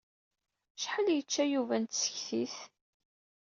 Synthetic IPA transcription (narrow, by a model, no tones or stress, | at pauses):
ʃħəljət͡ʃːæjuvænt̪sə̥çθiθ